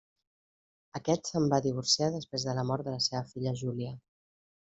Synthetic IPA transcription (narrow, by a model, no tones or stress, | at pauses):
əkɛt̪səmbaðiβ̞uɾsiaðəspɾezðələmɔɾt̪d̪ələseβəfiʎəʒuliə